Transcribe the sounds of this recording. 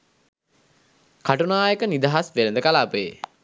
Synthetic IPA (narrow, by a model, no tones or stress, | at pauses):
kaʈunaːjəkənid̪aɦasʋelənd̪əkalaːpəjḛ